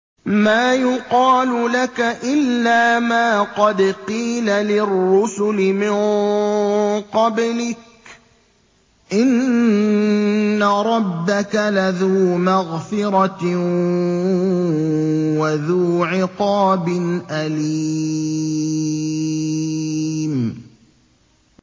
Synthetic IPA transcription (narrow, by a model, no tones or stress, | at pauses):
maːjʊqɑːlʊlakaʔɪlːaːmaːqɑd̪qiːlalɪrːʊsʊlɪmɪn | qɑblɪk̚ | ʔɪn | aɾˤɑbːakalaðuːmaɣfɪɾˤɑ | waðuːʕɪqɑːbɪnʔaliː | m